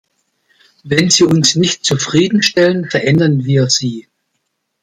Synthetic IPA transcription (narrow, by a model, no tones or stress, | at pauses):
vɛnziːʊnsnɪçtt͡sufʁ̥iːdn̩ʃtɛlənfɛɐʔɛndɐnviːɐziː